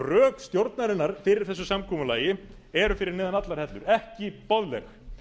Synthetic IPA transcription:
rœːkst̪jowɾt̪naɾɪnːaɾ̥fɪːɾɪɾ̥θɛsːʏsamkʰɔːmʏlaːjɪ | ɛɾʏfɪɾɪɾnɪːðanat̪laɾ̥hɛt̪lʏɾɛhcɪpɔðlɛ̰x

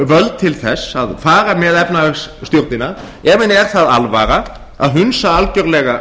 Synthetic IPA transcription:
vœlt̪̚t̪ʰɪlθɛsːaðfaːɾamɛðɛpnavɛsst̪jowɾt̪nɪnːa | ɛːvɪnɛɾ̥θaða̰lvaːɾa | a̰ðɦʏnsaalcœɾlɛɣa

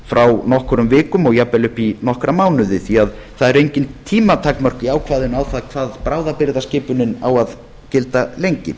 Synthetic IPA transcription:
fɾʔawnɔhkʏɾʏmvɪːkʏmɔɣjapːɛlʏhpinɔhkɾamaːwnʏðɪθiað | θaðɛɾejɲcɪnt̪ʰːiːmat̪ʰakmœr̥kiaːwkʰvaːðɪnawθaðkʰvaðpɾaːwðapɪɾðascɪːpʏnɪna̰wað | cɪlt̪alejɲcɪ̰

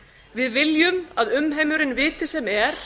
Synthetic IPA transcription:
vɪðvɪljʏmaðʏmɦeːjmʏɾɪnvɪːt̪ɪ̥sɛmɛɾ̥

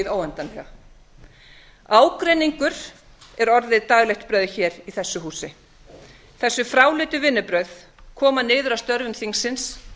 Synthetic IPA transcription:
ðoːwɛnt̪anɛa | aːwkɾeniŋkʏɾ̥ | ɛɾɔɾðɪðt̪aːɣlɛxt̪pɾœɥðçɛːɾiθɛsːʏɦuːsɪ | θɛsːʏfɾaːwlɪt̪ʏvɪnːʏpɾœɥð | kʰɔːmanɪːðʏɾawst̪œɾvʏmθiŋsːɪns

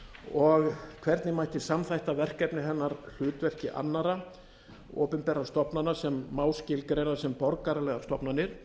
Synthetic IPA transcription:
ɔɣkʰvɛɾt̪nɪmajht̪ɪsamθajht̪avɛr̥kɛpnɪθɛnːaɾl̥ʏːt̪vɛr̥cɪʔa̰nːaɾa | ɔ̰ːpʏmpɛɾast̪ɔpnanasɛmːaːwscɪlkɾɛjɾasɛmpɔɾkaɾalɛɣast̪ɔpnanɪɾ̥

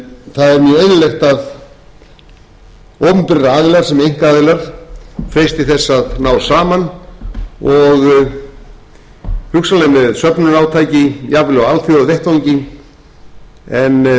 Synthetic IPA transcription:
θaðɛɾmjœejnʏlejxt̪að | oːwpmpɪɾaaːðɪlaɾ̥sɛmejŋ̥kaːðɪlaɾ̥fejst̪ɪθɛsːaðnaːwɾsaːman | ɔɣ | hʏksalɛnːɪðsœpnʏnaːwt̪ʰaːjcɪjavvlɣaalt̪θʏaðveht̪voɲcɪ | ɛn

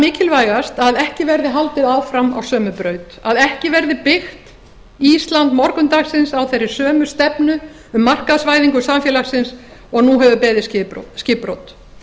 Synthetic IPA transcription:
mɪːcʰɪlvaːjɣast̪aðɛhcɪvɛɾðɪɦalt̪ɪðaːwfɾama̰wsœːmʏpɾœːɥt̪aðɛhcɪvɛɾðɪpɪxt̪ | ist̪lant̪mɔɾkʏnt̪aːɣsɪnsawθerːɪ̥sœːmʏst̪ɛpnʏ | ʏmːar̥kaðsvaːjðiŋkʏsamfjɛlaxsɪnsɔɣnuɦɛvʏpɛːðɪscɪscɪːpɾowt̪

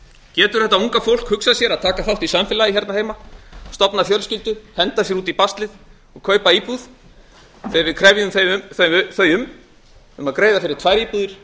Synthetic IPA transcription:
cɛːt̪ʏɾ̥θɛt̪auŋkafowl̥khʏksaðsjɛɾaðt̪ʰaːkafawht̪isamfɪlaiçɛɾt̪naɾheːjmast̪ɔpnafjœlscɪlt̪ʏhɛnt̪asjɛɾuːt̪ipast̪lɪð | ɔɣkʰœːɥpaiːpuð̥ | θejvɪðkʰɾɛvjʏʏmθeʏθœθœjʏm | ʏmaðkɾeːjðafɪɾɪ̥t̪ʰvaːjɾiːpuðɪɾ̥

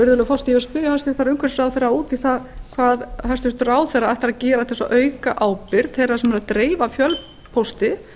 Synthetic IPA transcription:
ʏɾðʏlʏfɔst̪iaspɪɾjahast̪ʏ̥t̪aɾʏŋkvɛɾsfɾawθejrːauːt̪iθakʰvaːðhast̪ʏst̪raːwθɛraaht̪ɪɾaðcɛːɾat̪ʰɛsɔʔœːɥkaʔaːwpɪɾðθejrːasɛmɛɾaðt̪ɾeːjvafjœl | pʰowst̪ɪ

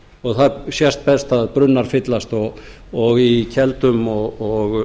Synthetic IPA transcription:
ɔɣθaɾsjɛst̪̚pɛst̪aðpɾʏnːaɾ̥fɪt̪last̪ɔ | ɔɣicʰɛlt̪ʏmɔɣɔɣ

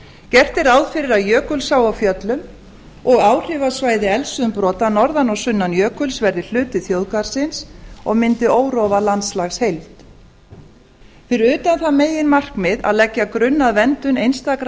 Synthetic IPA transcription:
cɛr̥t̪ɪɾawðfɪɾɪɾaðjœːkʏlsawawfjœt̪lʏm | ɔɣaːwr̥ɪvasvaːjðɪɛlsʏʏmpɾɔːt̪anɔɾðanɔwsʏnːanjœːkʏlsvɛɾðɪl̥ʏːt̪ɪθjowðkaɾ̥sɪnsɔɣmɪnt̪ɪoːwɾɔːvalant̪slaxshejlt̪ | fɪɾɪɾʏːt̪anθameːjɪnmar̥kmɪða̰ðlɛcːakɾʏnːaðvɛnt̪ʏnejnst̪akɾ

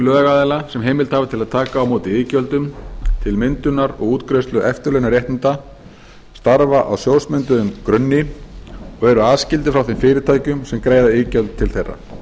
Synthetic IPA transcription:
lœːɣaðɛlasɛmɦeːjmɪlt̪havat̪ʰɪlaðt̪ʰaːkaːwmoːwt̪ɪɪːcœlt̪ʏmt̪ʰɪlmɪnt̪ʏnaɾɔ̰ɣuːt̪kɾœst̪lʏʔɛft̪ʏɾlœjnaɾjeht̪nɪnt̪a | st̪aɾvaʔa̰wsjowsmʏnt̪ʏðʏmkɾœnːɪ | ɔɣɛɾʏaːðscɪlt̪ɪfɾawθɪmfɪːɾɪt̪ʰaːjcʏmsɛmkɾeːjðaɪːcœlt̪ʰːɪlθejrːa̰̥

